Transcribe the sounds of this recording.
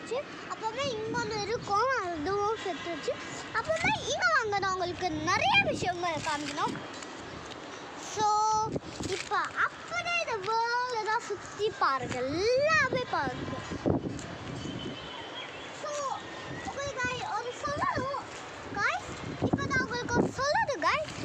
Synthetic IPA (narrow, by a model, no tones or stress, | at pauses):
t͡ʃːɯ | ɐpːoːmẽːɪŋɡonɯɪɾɯkːõɐðɯʋõsɛt̪ːɯt͡ʃːɯ | ɐpːoːmeːɪŋɡɐʋaŋɡɐnõʊŋɡɐɭɯkːɯnɛɾɐjɐʋɪʂɐjɐŋɡɐkaːnɯkːɐnõː | soː | ɪpːoːʔɐpːɐɽeːɪðɐʋeːlɐt̪ãːsʊt̪ːipaːɾɯkːɐːaːʋeːpaːɾɾɯkːõ | soː | ʊŋɡɐðɯɡaːjɔnɐsɔlːɐnõ | ɡaːɪs | ɪpːoːt̪ãːʊŋɡɐɭɯkːõsɔlːɐðɯɡaːɪs